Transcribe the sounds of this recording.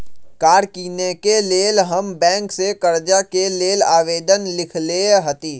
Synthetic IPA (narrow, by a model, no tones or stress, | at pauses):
kaːɾkiːnekeleːlɦəmbɛ̃ːŋksekəɾd͡ʒakeleːla̰ːʋeːd̪ənlɪkʰleɦət̪iː